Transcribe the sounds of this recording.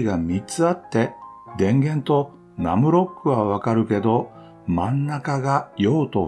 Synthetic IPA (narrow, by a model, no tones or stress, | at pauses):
iɡamʲit͡sɨat̪ːe̞d̪ẽ̞ŋɡẽ̞nt̪o̞ | na̰mɯ̟ɾo̞kːɯ̟βaβ̞akaɾɯ̟ke̞d̪o̞ | mãnːakaɡajo̞ːt̪o̞